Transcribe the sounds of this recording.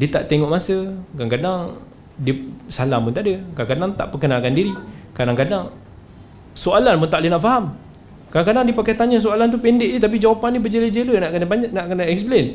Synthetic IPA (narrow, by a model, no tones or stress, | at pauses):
diət̪a̰ʔt̪ɛŋɔʔmasəkankadaŋ | diəsalahpunt̪aʔdəkakadaŋt̪a̰ʔpəkənakandiɾikadaŋkadaŋ | soalanpunt̪aʔlənaʔfaɦam | kadaŋkadaŋdiəpakajt̪aɲas̬oalant̪upɛndɪʔdət̪ap̬id͡ʒawapanːĩbəd͡ʒeləd͡ʒelənaʔkənabaɲnaʔkənaɛksplen